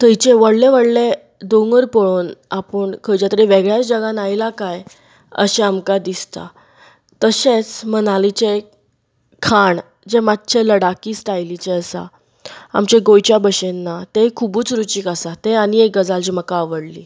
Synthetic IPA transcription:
t̪əjt͡ɕeʋəɽleʋəɽle | d̪oŋəɾpɔɭonapəɳkʰəjd͡ʑat̪əɾiʋeɡɭjat͡sd͡ʑəɡãnajlakaj | ə̰ɕeamkad̪ist̪a̰ | t̪əɕet͡smənalit͡ɕe | kʰːaɳ | d͡ʑemat̪ːt͡ɕʰeləɽakiːsʈajlit͡ɕeəsa̰ | a̰mt͡ɕeɡojt͡ɕjabəɕenːat̪ekʰubuːt͡sɾut͡ɕiːkasat̪eaɽ̃iek̚ɡəd͡zald͡ʑiməkaːʋəɽli

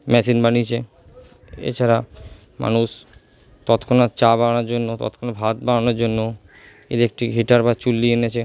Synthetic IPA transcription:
mɛsinbanit͡ɕʰe | ḛt͡ɕʰaɾa | ma̰nuʃ | t̪ɔt̪kʰonaɾt͡ɕabaɾanaɾd͡ʑonːot̪ɔ̰t̪kʰonaɾbʱat̪̚bananoɾd͡ʑonːo | ḛd̪iek̚ʈiɦiʈaɾbat͡ɕulːienet͡ɕʰe

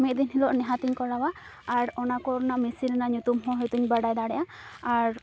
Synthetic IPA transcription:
mit̪̚d̪inɦilɔʔnɛɦat̪iɲkɔɽawaː | ɾɔnakɔɾnaʔmisilnaʔɲut̪umɦɔ̃ɦɔjt̪uɲbəɖajd̪aɽɛʔaaɾ

